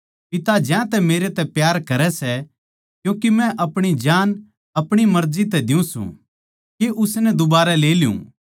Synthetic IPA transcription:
pɪt̪ad͡ʒɛ̃t̪ɛmeːɾet̪ɛpjaːɾkɐɾɛsɛ | kjõːkimɛ̃ʔɐpɽ̃id͡ʒaːn | ɐpɽ̃imɐɾzit̪ɛd̪ɪũsṵ̃ | keʔʊsnɛd̪ʊbaːɾɛleːljṵ̃

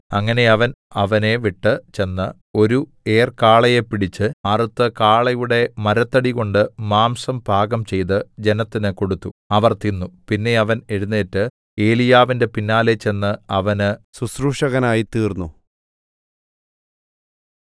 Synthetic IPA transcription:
ɐŋːɐne̞ɐʋɐnɐʋɐne̞ʋiʈːɨt͡ɕe̞nːɨ | o̞ɾu | e̞ːrkaːɭɐjepːiɽit͡ɕːɨɐrɨt̪ːɨkaːɭɐjuɽe̞mɐɾɐt̪ːɐɽiɣo̞ɳɖɨmaːmsɐmbʱaːɡɐmt͡ɕe̞jt̪ɨd͡ʑe̞nɐt̪ːinɨko̞ɽut̪ːuɐʋɐrt̪inːupinːe̞ɐʋɐne̞ɻunːeːtːɨ | e̞ːlijaːʋinde̞pinːaːlet͡ɕe̞nːɨɐʋɐnɨsusruːʂɐɣɐnaːjit̪iːrnːu

